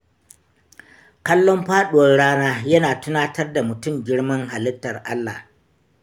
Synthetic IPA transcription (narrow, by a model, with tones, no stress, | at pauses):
kɐ˦lːɔ˦mɸaː˦ɗʊ˨wɐ˦rɽaː˦naː˦jɐ˦naː˨tʊ˦naː˦tɐ˦rda˨mʊ˨tʊ˦˨mɡʲɪ˦ɽmɐ˦ŋɦa˨lɪ˦tːɐ˨rʔa˦lːa̰ː˨